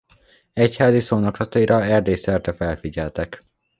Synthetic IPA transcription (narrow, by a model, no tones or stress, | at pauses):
ɛchaːzisoːnoklɒt̪ɒiɾɒɛrd̪eːsɛrt̪ɛfɛlfiɟɛlt̪ɛk